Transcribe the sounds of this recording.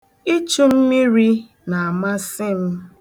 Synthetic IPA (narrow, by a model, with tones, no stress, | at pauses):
i˦t͡ʃu˦m̩˦mi˦ɾi˦ | na˨a˨ma˦sɪ˦m̩˦